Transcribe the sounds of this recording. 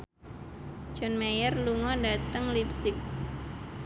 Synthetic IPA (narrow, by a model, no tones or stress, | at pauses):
d͡ʒɔnmejərluŋɔdat̪əŋlip̚sɪk̚